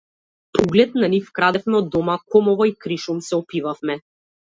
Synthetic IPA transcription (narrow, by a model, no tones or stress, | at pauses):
pʰɔɡlɛt̪̚nanifkɾad̪ɛfmɛɔd̪ːɔmakɔmɔvɔikɾiʃumsɛɔpivafmɛ